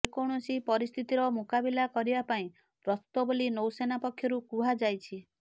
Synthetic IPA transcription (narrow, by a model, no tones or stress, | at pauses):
ekoɽ̃ɔsipɔɾist̪ʰit̪iɾɔmukabilakɔɾibapaĩ | pɾɔst̪ɔbolinowsenapɔkʰːjɔɾukuɦad͡ʒajt͡ʃʰi